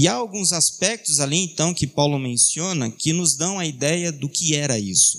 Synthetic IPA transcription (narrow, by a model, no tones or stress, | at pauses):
ɪaawɡũzaspɛk̚t̪ʊzalĩẽt̪ɐ̃w̃kɪpawlʊmẽsiõnɐkɪnʊzd̪ɐ̃w̃ɐid̪ɛjɐd̪ʊkɪɛɾɐisʊ̥